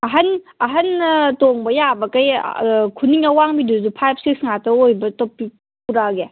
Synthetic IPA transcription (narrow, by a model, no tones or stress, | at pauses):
ɐɦɐn | ɐɦɐntoŋbɐjabɐkɐjkʰuniŋɐwaŋbiduzupʰajb̚ʰsik̚sŋatɐojbɐtopːi | puɾaɡe